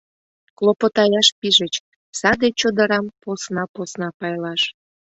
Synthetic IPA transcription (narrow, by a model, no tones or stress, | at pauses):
klˠopot̪ɑjɑʃpiʒət͡ɕ | sɑd̪et͡ɕod̪əɾɑmposnɑposnɑpɑjlɑʃ